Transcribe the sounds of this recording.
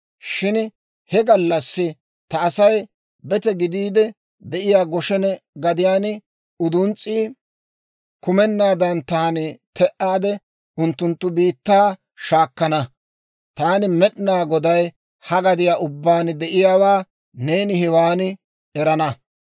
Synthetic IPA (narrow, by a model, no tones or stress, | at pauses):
ʃɪn | hɛɡɐlːɐsːɪ | t̪ɐːsɐj | bɛt̪ɛɡɪd̪iːd̪ɛ | d̪ɛʔɪjaːɡɔʃɛnɛɡɐd̪ɪjaːn | ʊd̪ʊnt͡sʼːiː | kʊmɛnːaːd̪ɐnt̪aːnɪt̪ɛʔaːd̪ɛ | ʊnt̪ːʊnt̪ːʊbiːt̪ːaː | ʃaːkːɐnɐ | t̪aːnɪmɛɗnaːɡɔd̪ɐj | hɐɡɐd̪ɪjaːʔʊbːaːnɪd̪ɛʔɪjaːwaː | ne̞ːnɪɦɪwaːnɪ | ɛɾɐnɐ